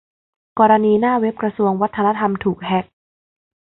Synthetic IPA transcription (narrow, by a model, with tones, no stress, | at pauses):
kɔː˧ɾa˧niː˧naː˥˩we˦˥p̚kɾa˧su˧əŋwa˦˥t̪ʰːa˧na˦˥t̪ʰa˧mt̪ʰuː˨˩k̚hɛ˦˥k̚